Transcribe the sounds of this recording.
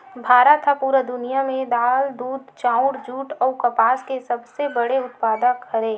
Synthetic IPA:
bʱaːɾət̪ɦapuːɾəd̪ʊnijamẽd̪aːld̪uːd̪t͡ʃãːʊɽd͡ʒuːʈɔːkɐpaːskesɐbsebəɽeʊt̪paːd̪akʰəɾẽː

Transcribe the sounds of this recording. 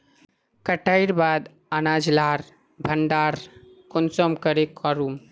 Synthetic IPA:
kəʈaiɾbad̪ | anad͡ʒlaːɾ | bʱəɳɖaɾ | konsɔmkəɾekʰɔɾum

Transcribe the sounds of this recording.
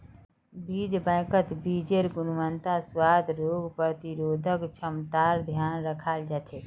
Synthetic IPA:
bid͡ʒbə̃jkət̪bid͡ʒeɾɡunʋənt̪aswad̪ʱɾoɡpɾət̪iɾoːd̪ʱəkt͡ʃʰəmt̪aɾd̪ʱjaːnɾəkʰald͡ʒat͡ʃʰe

